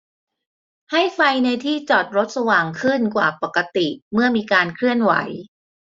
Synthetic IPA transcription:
ha˥˩jfa˧jna˧jt̪ʰiː˥˩t͡ɕɔː˨˩t̪̚ɾo˦˥t̪̚sa˧waː˨˩ŋkʰɯ˥˩nkwaː˨˩pa˨˩kːa˧t̪i˨˩mɯ˥˩ɐmiː˧kaː˧nkʰɾɯ˥˩ənwa̰˩˦j

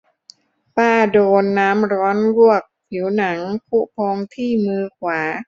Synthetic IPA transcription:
paː˥˩doː˧nːaː˦˥mɾɔː˦˥nɾu˥˩ək̚pʰi˩˦wna˩˦ŋpʰu˦˥pʰoː˧ŋt̪ʰiː˥˩mɯː˧kʰwaː˩˦

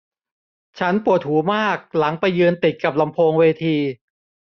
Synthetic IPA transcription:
t͡ɕʰa˦˥npu˨˩ət̪̚huː˩˦maː˥˩k̚la˩˦ŋpa˧jːɯː˧nt̪i˨˩t̪̚ka˨˩p̬̚la˧mpʰoː˧ŋweː˧t̪ʰiː˧

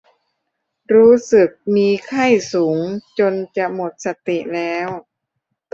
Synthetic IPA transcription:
ɾuː˦˥sɯ˨˩k̚miː˧kʰa˥˩jsuː˩˦ŋt͡ɕo˧nt͡ɕa˨˩mo˨˩t̪̚sa˧t̪i˨˩lɛː˦˥w

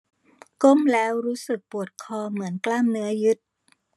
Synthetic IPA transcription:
ko˥˩mlɛː˦˥wɾuː˦˥sɯ˨˩k̚pu˨˩ət̪̚kʰɔː˧mɯ˩˦ənklaː˥˩mnɯ˦˥ɐjɯ˦˥t̪̚

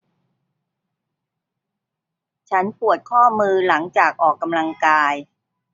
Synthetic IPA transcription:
t͡ɕʰa˦˥npu˨˩ət̪̚kʰɔː˥˩mɯː˧la˩˦ŋt͡ɕaː˨˩k̚ʔɔː˨˩kːa˧mla˧ŋkaː˧j

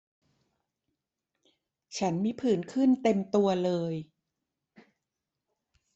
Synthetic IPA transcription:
t͡ɕʰa˦˥nmiː˦˥pʰɯː˩˦nkʰɯ˥˩nt̪e˧mt̪u˧ɐlɤː˧j

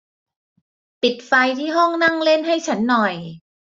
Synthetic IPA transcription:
pi˨˩t̪̚fa˧jt̪ʰiː˥˩ɦɔ˥˩ŋna˥˩ŋle˥˩nɦa˥˩jt͡ɕʰa˦˥nːɔ˨˩j

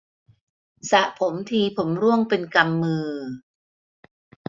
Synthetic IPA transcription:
sa˨˩ʔpʰo˩˦mt̪ʰiː˧pʰo˩˦mɾu˥˩əŋpe˧nka˧mːɯː˧

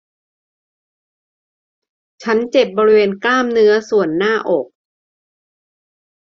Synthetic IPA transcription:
t͡ɕʰa˦˥nt͡ɕe˨˩p̚bɔː˧ɾi˦˥weː˧nklaː˥˩mnɯ˦˥ɐsu˨˩ənːaː˥˩ʔɔː˨˩k̚

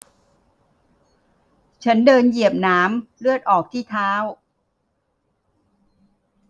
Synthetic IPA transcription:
t͡ɕʰa˦˥ndɤː˧nji˨˩əp̚naː˦˥mlɯ˥˩ət̪̚ʔɔː˨˩k̚t̪ʰiː˥˩t̪ʰaː˦˥w

